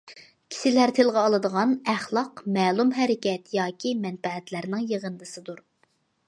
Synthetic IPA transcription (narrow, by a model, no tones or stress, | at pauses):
kʲʰi̥sɪlæɾt̪ʰɨlˠʁɑːlˠɨd̪əʁɑnæχlˠɑqmɛːlˠumɦɛɾɪkʲɛt̪jɑːkʲʰimɛnfɛɦɛt̪læɾnɪŋjəʁənd̪ɨsɨd̪uɾ